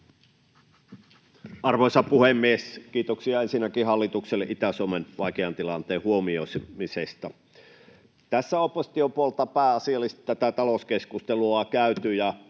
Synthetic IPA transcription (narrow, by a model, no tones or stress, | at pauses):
ɑrʋoisɑpuhemːieskiːt̪oksiɑensinːækihɑlːit̪ukselːeʔit̪æsuomenʋɑˑikeɑnt̪ilɑnt̪eːhuomiosmisest̪ɑ | t̪æsːæopːosi̥t̪iopuolt̪ɑpæːɑsiɑlːist̪t̪æt̪æt̪ɑloskeskust̪eluɑkæyt̪yjɑ